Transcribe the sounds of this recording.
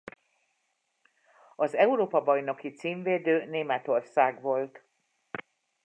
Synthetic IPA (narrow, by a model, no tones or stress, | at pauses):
ɒzɛuɾoːpɒbɒjno̞kit̪siːɱveːd̪øːneːmɛt̪o̞rsaːɡʋo̞lt̪